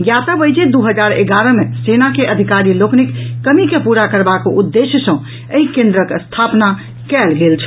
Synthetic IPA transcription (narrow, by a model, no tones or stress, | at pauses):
jat̪əbəjd͡ʒed̪uɦəd͡ʒaɾḛɡaɾə̃mesenakeʔəd̪ʱikaɾiloknikːəmikepuɾakəɾbakoʔud̪ːesjəsə̃ | əɦikẽnd̪ɾəkst̪ʰapna | kɛlɡelt͡ʃʰ